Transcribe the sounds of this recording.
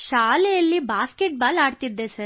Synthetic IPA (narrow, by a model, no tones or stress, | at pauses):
ʃaːlɛjɐlːibaːskeʈ̚baːlaːɽt̪id̪ːesɐɾ